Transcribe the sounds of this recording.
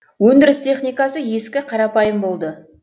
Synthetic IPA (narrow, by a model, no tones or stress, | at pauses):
wɵnd̪ɪɾɪst̪ʰe̞χnijkɑsəje̞skʲɪqʰɑɾɑpɑjəmbo̞lˠd̪ə